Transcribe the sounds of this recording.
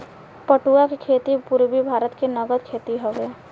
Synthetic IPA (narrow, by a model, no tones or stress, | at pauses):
pəʈuakikʰeːt̪ipuɾbibʱaːɾət̪kenəɡəd̪kʰeːt̪iɦoːɡe